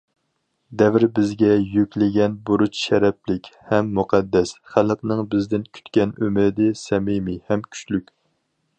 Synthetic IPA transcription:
d̪ɛvɪɾbɪzɡʲɛjykʲlɪɡʲɛnbuɾut͡ʃʃɛɾɛplɪkʲhɛmːuqʰɑd̪ːɛsχælqnɨŋbɪzd̪ɪnkʲʰy̥t̪kʲɛnø̰mɪɾɪd̪ɪsɛmɪmɪhɛmkʲʰy̥t͡ʃlykʲ

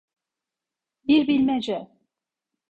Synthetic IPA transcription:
biɾbilʲmɛd͡ʒɛ

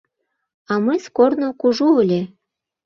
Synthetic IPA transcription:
ɑmɤskornokuʒuəlʲe

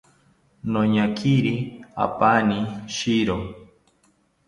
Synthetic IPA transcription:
noɲakʰiɾia̰paniʃiɾo

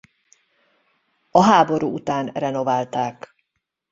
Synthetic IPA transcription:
ɒɦaːbo̞ɾuːut̪aːnrɛno̞vaːlt̪aːk

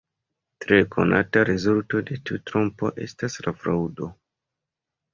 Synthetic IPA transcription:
tɾe̞kʰo̞̰na̰taɾezulto̞de̞tiutɾompo̞̰ʔe̞staslafɾaudo̞

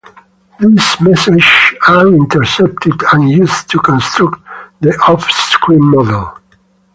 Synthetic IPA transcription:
ðismɛsɪd͡ʒaɹɪ̃ntʰəɹsɛp̚tʰɪdə̃njustʰukɔ̃nstʰɹaktðiʔɔfskʰɹĩmːɔdəlˠ

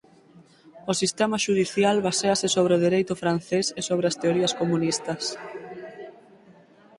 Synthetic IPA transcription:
ʊsist̪emaʃuð̞iθjalβaseasɪsoβɾeoðiɾejt̪ʊfɾan̟θesesoβ̞ɾeast̪eoɾiɐskomunist̪ɐs

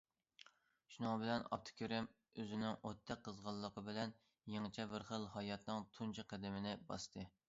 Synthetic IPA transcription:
ʃunɑŋbɪlɛnɑ̰p̚t̪ʰɨ̥kʲʰyɾɪm | øzɪnɪŋot̪ʰːɛk̚qːəzʁɑlˠːəqʰəbɪlɛn | jeŋt͡ʃʰɛbɪɾχəlˠhɑjɑt̪nɨŋt̪ʰunt͡ʃʰɨqʰæd̪ɪmɪnɪbɑ̰st̪ʰɨ

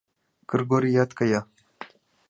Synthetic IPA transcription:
kʰɨrɡoɾijat̪kaja

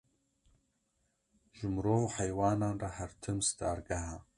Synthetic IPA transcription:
ʒʊmɾoːvħajwaːnaːnraħartʰɨmstʰʼaːrɡaʕa

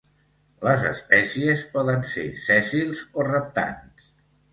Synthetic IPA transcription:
ləzə̰spɛsiəspɔðənsḛsɛsilˠzorəp̚t̪a̰ns

